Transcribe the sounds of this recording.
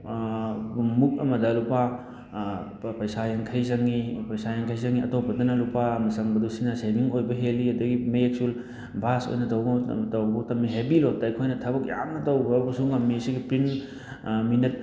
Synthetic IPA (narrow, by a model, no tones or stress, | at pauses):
muk̚ɐmɐdɐlupa | pɐjsajaŋkʰɐjzɐŋːipɐjsajaŋkʰajzɐŋiɐ̰topːɐdɐnɐlupamɐsɐŋbɐdusinɐseɡiŋojbɐɦeliɐdɐɡimeek̚sul | bʱaso̰jnɐdɐwtɐwbɐtɐmːiɦebilotɐjkʰojnɐtʰɐbɐk̚ja̰ŋnɐtɐwbɐbɐsuŋɐmːisiɡipɾin | minet̚